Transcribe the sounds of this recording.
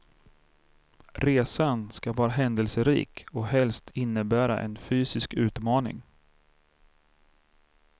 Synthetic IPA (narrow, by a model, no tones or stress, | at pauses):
ɾeːsanskavɑːɾaɦɛnd̪əlsəɾḭːkɔɦɛlst̪ʰɪnːəbæːɾa̰ʔɛ̰nfyːsɪskʉ̟ːt̪mɑːnɪ̰ŋ